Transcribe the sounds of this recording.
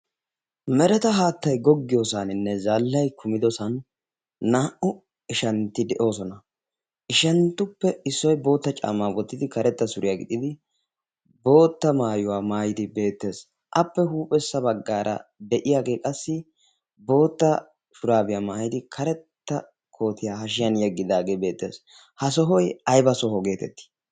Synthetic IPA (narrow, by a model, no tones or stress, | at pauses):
mɛɾɛt̪ɐɦaːt̪ːɐjɡɔɡːɪjoːsanɪnːɛzaːlːɐjkʰʊmɪd̪ɔsɐnː | aːʔʊ | ɪʃɐnt̪ːɪd̪ɛʔo̞ːsɔnɐ | ʔɪʃɐnt̪ːʊpːɛɪsːɔjbo̞ːt̪ːɐt͡ʃʼa̰ːmːaːwɔt̪ːɪd̪ɪkɐɾɛt̪ːɐsʊɾʔɪjaɡɪd̪ɪd̪ɪ | bo̞ːt̪ːɐmaːjʊwaːmaːjɪd̪ɪbe̞ːt̪ːe̞ːs | ʔɐpːɛɦuːpʼɛsːɐbɐɡːaːɾʔɐ̰d̪ɛʔɪjaːɡe̞ːkʼɐsːɪ | bo̞ːt̪ːɐ | fʊɾaːbɪjaːmaːjɪd̪ɪkʰɐɾɛt̪ːɐ | kʰo̞ːt̪ɪjaːhɐʃ̬ɪjɐnjɛɡːɪd̪aːɡe̞ːbe̞ːt̪ːe̞̰ːs | hɐs̬ɔɦɔjɐjbɐsɔɦɔɡe̞ːt̪ɛ̰t̪ːɪ̥